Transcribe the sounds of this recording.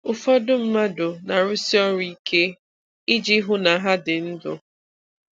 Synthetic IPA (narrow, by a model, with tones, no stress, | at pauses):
ʊ˨fɔ˦dʊ˦m̩˦ma˦dʊ˨na˨ɾʊ˦si˦ɔ˦ɾi˦kʰe˦ | ɪ˦d͡ʒi˦ɦʊ˦na˨ɦa˦dɪ˨n̩˦dʊ̰˨